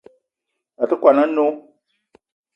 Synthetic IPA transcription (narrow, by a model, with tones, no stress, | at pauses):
a˨tə˦kʷa˨nã˦no˦